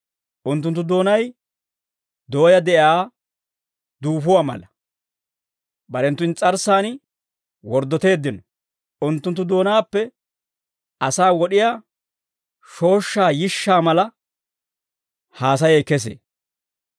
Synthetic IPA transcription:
ʔʊnt̪ːʊnt̪ːʊd̪o̞ːnɐj | d̪o̞ːjɐd̪ɛʔjaː | d̪uːfʊwaːmɐ̰lɐ | bɐɾɛnt̪ːʊnt͡sʼɐɾsaːn | wɔɾd̪ɔt̪e̞ːd̪ːɪnɔ | ʔʊnt̪ːʊnt̪̬ːʊd̪o̞ːnaːpːɛ | ʔɐsaːwɔɗɪjaː | ʃo̞ːʃːaːjɪʃːaːmɐlɐ | haːs̬ɐjekɛs̬ḛː

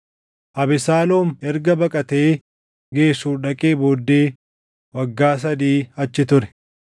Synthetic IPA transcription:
ʔɐbɪsaːloːmɛɾɡɐbɐkʼɐt̪e̞ː | ɡe̞ːsuːᶑɐkʼeːboːd̪ːe̞ː | wɐɡːaːs̬ɐd̪iːɐt͡ʃːɪt̪ʊɾɛ̥

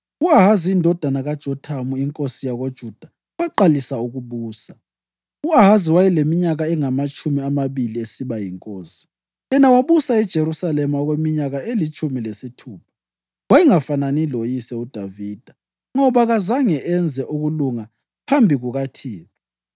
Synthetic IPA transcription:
uaɦaziːndʱɔd̥ʱanaɣad̥ʒ̥ʱɔtʰamuiŋkʼosijaɣod̥ʒ̥ʱud̥ʱa | waǃalisauɣuβuːsa | uaɦaziwajɛlemiɲaɣaɛŋamat͡ʃʼʰumiamaβiliesiβajiŋkʼoːsi̥ | jɛnawaβusaɛd̥ʒ̥ʱeɾusalɛmaɔɣwemiɲaɣaelit͡ʃʼʰumilesitʰuːp̚ʰḁ | wajiŋafananilojisɛud̥ʱaviːd̥ʱa | ŋɔβaɣazaŋɛʔɛnd͡zʱɛʔuɣuluŋa | pʰambʱiɣuɣatʰiːlɔ

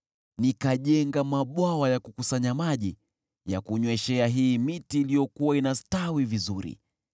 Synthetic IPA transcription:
nikaʄɛŋɡamaɓwawajakukusaɲamaʄi | ja̰kuɲwɛʃɛaɦiːmitiːlijɔkuwainastawivizuɾḭ

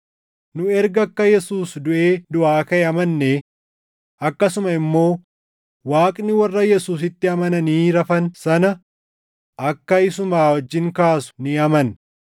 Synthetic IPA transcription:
nʊɛɾɡɐkːɐjɛsuːsd̪ʊʔeːd̪ʊʔaːkɐeɐmɐnːe | ɐkːɐsʊmɐɪmːo̞ː | waːkʼnɪwɐrːɐjɛsuːs̬ɪt̪ːɪɐmɐnɐniːɾɐfɐnsɐnɐ | ʔɐkːɐɪsʊmaːwɐd͡ʒːɪŋkaːsʊ̥nɪɐmɐn

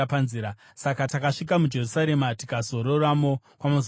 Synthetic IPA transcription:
panziːɾa | sakatakaʂik̬amud͡ʒe̞rusaɾemati̥kazo̞ɾoramo | kwamoz

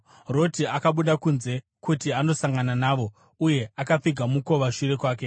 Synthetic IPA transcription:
ro̞tiakaɓuɗakunze̞ | kutiano̞saŋɡananaːʋo̞ | uje̞akap͡fiɡʱamuko̞ʋaʃiɾe̞kwaːk̬e̞

